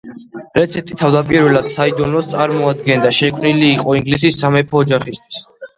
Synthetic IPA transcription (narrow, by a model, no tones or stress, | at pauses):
ɾɛt̪sʰɛp̚t̪ʼit̪ʰavd̪apʼiɾvɛlˠad̪̥said̪ɔnɔst̪sʼaɾmɔad̪ɡɛnd̪aʃɛkʰmniliːqʼɔiŋɡlisisːamɛpʰɔːd͡ʒaχist̪ʰwi̥s